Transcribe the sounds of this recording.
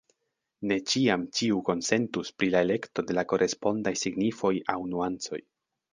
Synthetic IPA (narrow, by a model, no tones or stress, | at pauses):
ne̞t͡ʃiamt͡ʃiuko̞nse̞ntuspɾilaele̞kto̞de̞lako̞ɾʔe̞spo̞ndajsiɡnifo̞jawnuant͡so̞̰j